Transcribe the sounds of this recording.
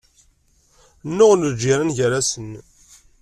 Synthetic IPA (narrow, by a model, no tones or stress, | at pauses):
nːʊʁləd͡ʒiɾanʝəɾasən